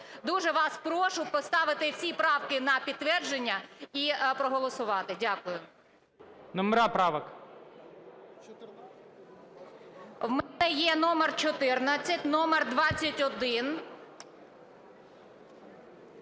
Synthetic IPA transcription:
d̪uʒɛʋɑspɾɔʃʊpɔst̪ɑʋɪt̪ɪwsʲipɾɑwkɪnɐpʲid̪̚t̪ːʋɛrd͡ʒenʲːɐipɾɔɦɔlˠɔsʊʋɑt̪ɪdʲakʊjʊ | nɔmɛɾapɾɑʋɐk | wmɛnɛjɛnɔmɛrt͡ʃɔt̪ɪrnɐt͡sʲːɐtʲnɔmɛrd̪ʋɑt͡sʲːɐtʲɔd̪ɪn

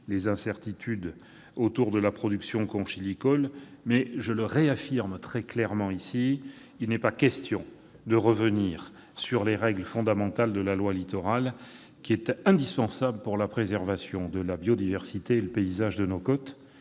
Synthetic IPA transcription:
lezɛ̃sɛʁt̪it̪ʰyd̪ | ot̪uʁd̪əlapχɔd̪yksjɔ̃kɔ̃ʃilikɔlmɛʒələʁeafiʁmt̪χɛklɛʁmɑ̃isi | ilnɛpakʲɛst̪jɔ̃ | d̪əʁəvəniʁ | syʁleʁɛɡləfɔ̃d̪amɑ̃t̪ald̪əlalwalit̪ɔʁal | kʲiɛt̪ɛ̃d̪ispɑ̃sabləpuʁlapχezɛʁvasjɔ̃d̪əlabjɔd̪ivɛʁsit̪eːləpeizaʒd̪ənokɔt̪

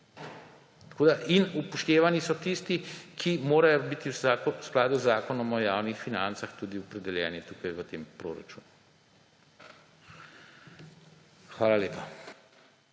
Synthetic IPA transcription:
t̪ɐ̥kʰoːd̪aʔinupɔʃt̪eːʋanisɔt̪ist̪ikʰimoːɾajɔbit̪iwasklaːd̪uzaːkɔnɔmɔjaːwnixfinant̪saxt̪uːd̪iɔpɾɛd̪ɛljɛ̰ːnɛt̪uːkajʋət̪eːmpɾo̰ːɾa̰t͡ʃṵːnu | xʋaːlaleːpa

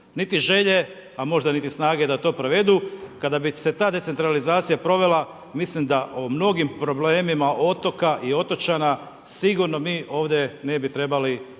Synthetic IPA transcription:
nit̪iʒe̞ʎe̞ | amo̞ʒd̪anit̪isnaːɡe̞d̪at̪o̞ːpɾoʋe̞d̪ukad̪abise̞t̪aːd̪e̞t̪se̞nt̪ɾalizaːt̪sijapɾo̞ʋe̞la | mislimd̪aʔomno̞ɡimpɾo̞bleːmimaʔo̞t̪o̞kaʔio̞t̪o̞t͡ʃana | siɡuɾno̞miːʔo̞ːʋd̪jene̞bit̪ɾe̞bali

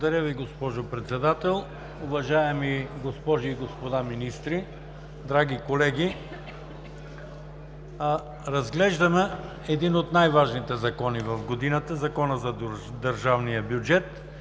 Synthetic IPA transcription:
od̪ɐɾʲjəviɡospɔʒopɾɛt̪sɛd̪at̪ɛlˠ | ʊvɐʒaɛmiɡospɔʒiːɡospod̪aminist̪ɾi | d̪ɾaɡikolɛɡʲi | ɾɐzɡlɛʒd̪ɐmɛ | ɛd̪inot̪najvaʒnit̪ɛzɐkɔnivɐfɡod̪inət̪əzɐkɔnəzɐd̪ɐɾʒavnijəbjʊd͡ʒɛt̪

